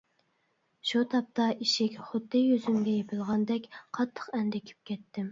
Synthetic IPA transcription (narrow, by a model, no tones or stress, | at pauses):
ʃut̪ʰɑp̚t̪ʰɑʔiʃɪkʲχʊd̪ːɨjøzymɡʲɛjepʰɪlˠʁɑnd̪ɛkʲqʰɑt̪ʰːə̥qɛnd̪ɛkʲʰy̥p̚kʲʰɛt̪ːɪm